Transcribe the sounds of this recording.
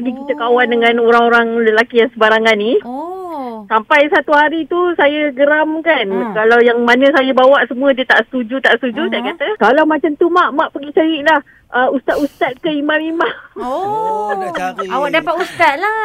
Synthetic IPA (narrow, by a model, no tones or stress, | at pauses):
əɡikit͡ʃəkawandəŋãnoɾaŋoɾaŋləlakijaŋsəbaɾaŋanːi | sampajsat̪uhaɾit̪usajəɡəɾamkankalawjaŋmanə̃sajabawaʔsəmũədiət̪aʔsə̥t̪ud͡ʒut̪aʔsə̥t̪ud͡ʒut̪ajaʔkat̪əkalawmat͡ʃamt̪umaʔmãʔpəɡit͡ʃajiʔlah | ʔəust̪at̪ust̪at̪̚kəimamimãʔ | awaʔdapat̪ust̪at̪̚la